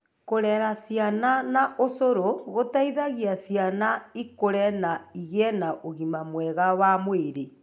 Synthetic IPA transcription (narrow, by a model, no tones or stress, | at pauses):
koɾɛɾasjananaʔosoɾoɣotaiðaɣiasjanaikoɾɛnaiɣɛnaʔoɣimamwɛɣawamweɾe